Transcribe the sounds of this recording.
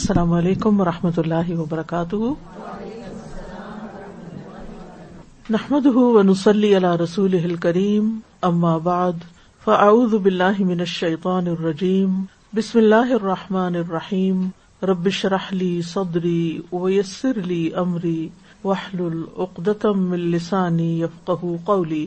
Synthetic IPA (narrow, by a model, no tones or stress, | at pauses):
sːalaːmʔaleːkʊmwɑɾˤɑħmat̪̬ʊlːaːɦɪwɐbɑɾˤɑkaːt̪ʊhʊ | naħmad̪ʊɦʊwanʊsˤɑlːiːʔalaːɾˤɑsuːlɪɦɪlkaɾiːmʔamːaːbaʕd̪ | faʔaʕuːðʊbɪlːaːɦɪmɪnaʃːɐjt̪ˤɑːnɪrˤːɑd͡ʒiːm | bɪsmɪlːaːɦɪʔɑrˤːɑħmaːnɑrˤːɑħiːm | ɾˤɑbːɪʃɾˤɑħliːsˤɑd̪ɾiːwajasːɪɾliːʔamɾiː | waħlʊlʔʊqd̪at̪mɪnlɪsaːnijafqɑɦʊqɑwliː